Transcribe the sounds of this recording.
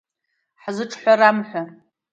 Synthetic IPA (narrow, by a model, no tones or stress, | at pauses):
ħzɨʈ͡ʂʰħʷaramħʷa